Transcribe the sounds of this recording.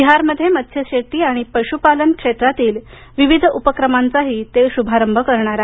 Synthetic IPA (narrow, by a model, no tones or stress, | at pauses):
iɦaɾməd̪ʱːjemət̪ɕjəɕeʈiːaɽ̃ipəɕupalənkʂet̪ɾat̪iːl | ʋiʋid̪ʱupəkɾəmant͡saɦiːt̪eɕubʱaɾəmbʱəkəɾɳ̃aɾa